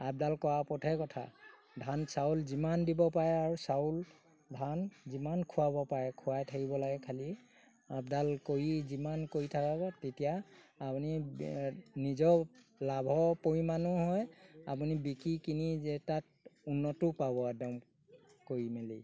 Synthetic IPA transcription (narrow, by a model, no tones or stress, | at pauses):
ap̚dalkɔwapɔtʰɛkɔtʰa̰ | dʱansaulzimandibɔpaɹɛaɹusaul | dʱanzimankʰʊwabɔpaɹɛkʰʊwajtʰakibɔlaɡɛkʰali | ap̚dalkoɹizimankoɹitʰakaβɔtetijaːpuni | nizɔlabʱɔpoɹimanʊɦɔjap̬unibikɹikiniɛtat̚ | unːɔtʊpabɔadɔm | koɹimeli